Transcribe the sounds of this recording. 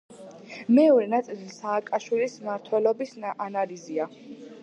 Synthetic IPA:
mɛɔɾɛnat̪sʼilisaːkʼaʃwilismaɾt̪ʰwɛlɔbisanalizia

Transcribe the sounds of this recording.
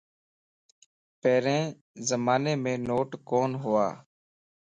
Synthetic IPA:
pɛːɾẽː | zəmaːneːmẽːnoːʈkoːnɦʊːa̰ː

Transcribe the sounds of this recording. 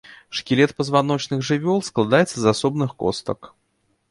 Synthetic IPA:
ʂkʲɪlʲɛt̪̚pəzvanɔt͡ɕnɨxʐɨvʲɔlˠsklˠad̪ajɛt̪səzasɔbnɨxko̰st̪ə̰k

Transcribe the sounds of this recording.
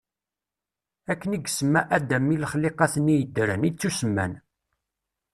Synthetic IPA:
ækːəniɡsəmːæʔæd̪æmːiləχleqɑθnːijəd̪ːɾənit͡sːusəmːæ̰n

